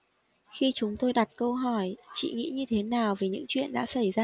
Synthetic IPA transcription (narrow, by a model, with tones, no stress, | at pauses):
xi˧t͡ɕʊ˨˦ŋ͡mt̪o˧jɗa˨˩t̚kə˧wɦɔ˧˩jt͡ɕḭ˧˨ŋḭ˧˥ɲɨ˧t̪ʰe˨˦naː˨˩wvi˨˩ɲɨ̰˧˥ŋt͡ɕwḭ˧˨ənɗa̰ː˧˥sa˧˩jzaː˧